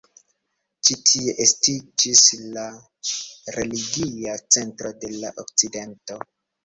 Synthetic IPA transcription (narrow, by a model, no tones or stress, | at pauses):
t͡ʃitʰie̞ʔestid͡ʒisla | ɾe̞liɡiat͡se̞ntɾo̞de̞laʔo̰kt͡side̞nto̞